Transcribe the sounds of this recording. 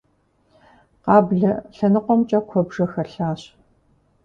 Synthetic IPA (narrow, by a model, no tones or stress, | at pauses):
qɑːbɮɐɬɐnɨqʷɔmt͡ʃʼɐkʷʰɔbʐɐxɐrɬaːɕ